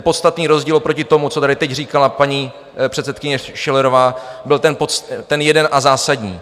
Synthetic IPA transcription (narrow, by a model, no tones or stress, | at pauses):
po̞t̪st̪at̪niːɾo̞zɟiːlpɾo̞cɪt̪o̞mut͡sot̪adɪt̪ɛcr̝iːkalapaɲi | pr̝̥ɛt̪sɛt̪kɪɲɛʃɪlɛɾovaːbɪlt̪ɛnpot̪ɛnjɛdɛnʔazaːsadɲiː